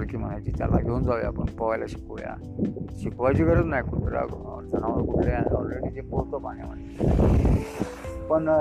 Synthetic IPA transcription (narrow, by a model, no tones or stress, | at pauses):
ɾkiːm̤ənajt͡ɕit̪ja̰la̰ɡʱeund͡zaʋja̰pəɳpəʋajlaɕi̥kuʋja̰ | ɕikʋajt͡ɕiːkəɾət͡snajkuʈ̪ɾa̰k | d͡z̪ʰənaʋəɾkuʈlaanɔ̰lɾeɽiːd͡ʑebolt̪opa̰nja̰m̤əɳe | pəɳ